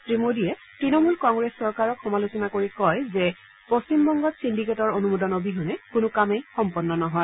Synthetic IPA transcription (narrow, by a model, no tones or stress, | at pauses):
pɹimodijɛtɹinɔmulkɔŋɡɹesːɔɹkaɹɔkxɔmalusɔnakoɹikɔjzɛ | post͡ɕimbɔŋɡɔtsindiketɔɹonumodɔnobiɦʊnɛkʊnʊkamejxɔmpɔnːɔnɔɦɔj